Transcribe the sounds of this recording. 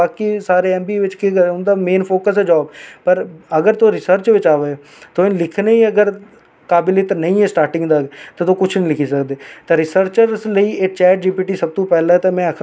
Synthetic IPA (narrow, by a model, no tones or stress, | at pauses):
aːkisaːɾeːɛ̃ːmbiːʋɪt͡ʃkikəʊnd̪aːmeːnpʰoːkəsɛːd͡ʒaːbpəɾəɡəɾt̪oːɾɪsəɾt͡ʃʋɪt͡ʃaːʋeː | t̪oːɪnlɪkʰneːiːəɡəɾ | kaːbɪlet̪nəĩːɛːsʈaːɾʈɪ̃ŋɡd̪aːɡt̪eːt̪oːkʊt͡ʃʰnĩːlɪkʰiːsəkd̪eːt̪eːɾɪsəɾt͡ʃəɾsləiːeːt͡ʃɛːʈ̚d͡ʒiːpiːʈiːsəb̚t̪õːpɛːlaːt̪eːmɛ̃ːəkʰ